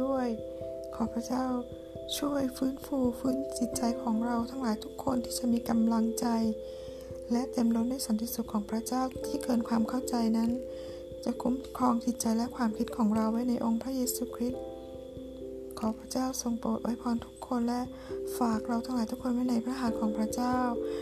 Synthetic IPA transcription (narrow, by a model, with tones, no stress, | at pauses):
u˥˩əj | kʰɔː˩˦pʰɾa˦˥t͡ɕaː˥˩w | t͡ɕʰu˥˩əjfɯː˦˥nfuː˧fɯː˦˥nt͡ɕi˨˩t̪̚t͡ɕa˧jkʰɔː˩˦ŋɾa˧wt̪ʰa˧ŋlaː˨˦jt̪ʰu˦˥kʰːo˧nt̪ʰiː˥˩t͡ɕa˨˩miː˧ka˧mla˧ŋt͡ɕa˧j | lɛ˦˥ʔt̪e˧mɾo˦˥t̪̚na˥˩jsa˩˦nt̪ʰi˧˩su˨˩k̚kʰːɔː˩˦ŋpʰɾa˦˥t͡ɕaː˥˩wt̪ʰiː˥˩kɤː˧nkʰwaː˧mkʰa˥˩wt͡ɕa˧jna˦˥n | t͡ɕa˨˩ʔkʰu˦˥mkʰɔː˧ŋt̪ʰi˨˩t̪̚t͡ɕa˧jlɛ˦˥kʰwaː˧mkʰi˦˥t̪̚kʰɔː˩˦ŋɾa˧wːa˦˥˩jna˧jʔo˧ŋpʰɾa˦˥jeː˧suː˧kʰɾi˦˥t̪̚ | kʰɔː˩˦pʰɾa˦˥t͡ɕaː˥˩wso˧ŋpoː˨˩t̪̚wʔa˦˥jpʰɔː˧nt̪ʰu˦˥kʰːo˧nlɛ˦˥ʔ | faː˨˩k̚ɾa˧wt̪ʰa˧ŋlaː˨˦jt̪ʰu˦˥kʰːo˧nwa˦˥˩jna˧jpʰɾa˦˥ɦaː˨˩˦t̪̚kʰɔː˩˦ŋpʰɾa˦˥t͡ɕaː˥˩w